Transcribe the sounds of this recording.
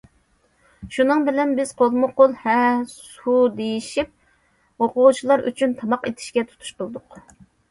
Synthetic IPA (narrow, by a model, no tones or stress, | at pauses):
ʃunɨŋbɪlɛnbɪz̥qʰolˠmʊqolˠhɛsud̪ejiʃip̚ | oqʊʁt͡ʃʰilˠɑɾʔy̰t͡ʃʰynt̪ʰɑmɑqet̪ʰɪ̥ʃkʲɛt̪ʰu̥t̪ʰu̥ʃtolˠd̪ʊq